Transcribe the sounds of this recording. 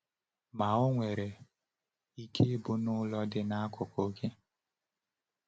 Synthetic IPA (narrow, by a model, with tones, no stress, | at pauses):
ma˨o˦ŋʷe˨ɾe˨ | i˦kʰe˦bʊ˦nʊ˦lɔ˦dɪ˦na˦a˦kʊ˨ko˨˦kʰe˦